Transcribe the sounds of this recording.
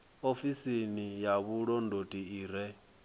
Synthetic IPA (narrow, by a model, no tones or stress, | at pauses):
ofisinijaβuɺɔndʱotʼiiːɾɛ